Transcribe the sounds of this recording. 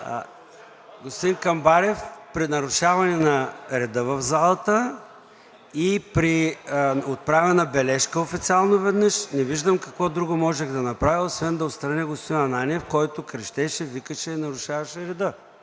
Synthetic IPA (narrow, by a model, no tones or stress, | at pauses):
ɡost̪d̪inkɐmbaɾɛfpɾinɐɾʊʃavɐnɛnɐɾɛd̪əvɐvzalˠɐt̪ə | ipɾi | ot̪̚pɾavɛnɐbɛlɛʃkəofit̪sialˠnovɛd̪nəʃnɛviʒd̪əmkɐkvɔd̪ɾuɡomɔʒɛɣd̪ɐnɐpɾaviosvɛnd̪ɐot̪st̪ɾɐnʲɛɡost̪inɐnaniɛfkɔjt̪ʊkɾɛʃt̪ɛʃɛvikəʃɛnɐɾʊʃavɐʃɛɾɛd̪ə